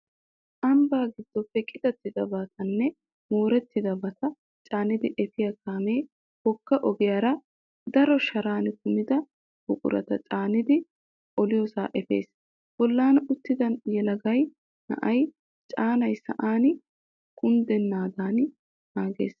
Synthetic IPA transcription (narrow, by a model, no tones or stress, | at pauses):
ʔɐmbaːɡɪd̪ːɔpːɛkʼːɪd̪ɐt̪ːɪd̪ɐbɐt̪ɐnːɛ | moːɾɛt̪ːɪd̪ɐbɐt̪ɐ | t͡ʃʼaːnɪd̪ɪʔɛfɪjɐkaːme̞ː | hɔkːɐʔɔɡɪjɐɾɐ | d̪ɐɾɔʃɐɾaːnkʊmɪd̪ɐ | b̥ʊkʼʊ̰ɾɐ̰t̪ɐt͡ʃʼaːnɪd̪ɪ | ʔɔlɪjɔsaːʔɛfe̞̰ːs | b̥ɔlːaːnʊt̪ːɪd̪ɐnjɛlɐɡɐj | nɐ̰ʔɐj | t͡ʃʼaːnɐjsɐ̰ʔaːn | kʊnd̪ɛnːaːd̪aːn | naːɡe̞̰ːs